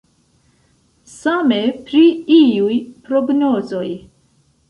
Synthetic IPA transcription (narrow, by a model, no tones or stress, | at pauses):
samepɾiiujpɾoɡnozo̞j